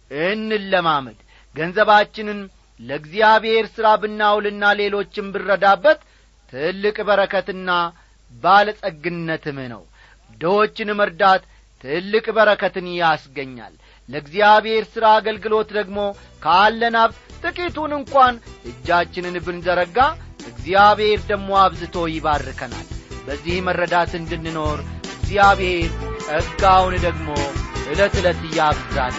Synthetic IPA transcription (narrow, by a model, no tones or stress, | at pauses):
ʔɨnːɨːəmaməd̪ | ɡənzəβat͡ʃːɪnɨn | ləɡzijaβhe̞ɾsɨɾabɨnːawlɨnːale̞lo̞t͡ʃːɪnbɨrːəd̪abːət̪ʰː | ɨlːɨkʼbəɾəkʰət̪ɨnːa | baləsʼəɡɨnːət̪ʰɨmnə̰w | d̪əwo̞t͡ʃːɪnməɾd̪at̪ʰː | ɨlːɨkʼbəɾəkʰət̪ɨnjasɡəɲːa̰lː | əɨɡzijaβhe̞ɾsɨɾaːɡəlɡɨlo̞t̪d̪əɡmo̞ | kʰaːlːənaβt̪t̪ʼɨkʼit̪unɨŋkʼʷanʔɨd͡ʒːat͡ʃːɪnɨnbɨnzəɾəɡaʔɨɡzijaβhe̞ɾd̪əɡmo̞aβzɨt̪ʰo̞jɪβarːɨkʰəna̰lbəzːihmərːəd̪at̪ɨnd̪ɨnːɨno̞ɾɨɡzjaβhe̞ɾʼəɡawnd̪əɡmo̞ʔɨlət̪ɨlət̪ɨjabzal